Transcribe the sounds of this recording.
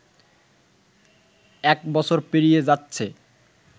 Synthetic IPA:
ɛk̚bɔt͡ɕʰoɾpeɾijed͡ʑatːɕʰe

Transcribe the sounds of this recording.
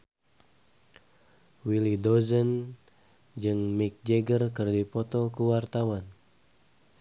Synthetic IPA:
wilidɔzən | d͡ʒɨŋmik̚d͡ʒɛɡərkɨrdipɔt̪ɔkuwart̪awan

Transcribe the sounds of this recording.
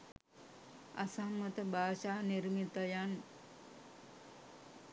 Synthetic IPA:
a̰samːət̪əbʱaːʃaːniɾmit̪əjan

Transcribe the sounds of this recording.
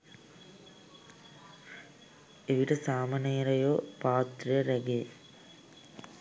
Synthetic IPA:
eʋiɾɐsaːmɐneːɾɐjoːpaːt̪ɾɐɾɐɡeː

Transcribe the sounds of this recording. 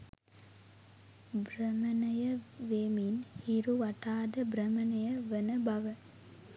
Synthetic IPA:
brəmənəjəʋeːminhiɾuʋaʈaːd̪əbrəmənəjəʋənəbaʋə

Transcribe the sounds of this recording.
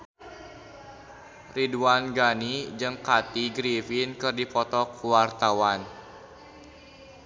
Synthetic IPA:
riduanɡanid͡ʒɨŋkat̪iɡɾifinkɨrdipɔt̪ɔkuwart̪awan

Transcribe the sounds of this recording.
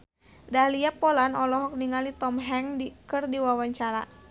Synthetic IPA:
dahliapɔlanɔlɔɦɔk̚niŋalit̪ɔmɦɛŋdikɨrdiwawaɲt͡ʃaɾa̰

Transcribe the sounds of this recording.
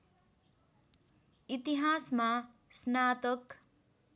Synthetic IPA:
it̪iɦasmasnat̪ʌk

